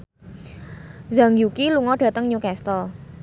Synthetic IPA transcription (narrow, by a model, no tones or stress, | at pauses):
zəŋjukiluŋɔɖ̥a̤t̪əŋɲukɛst̪ɔ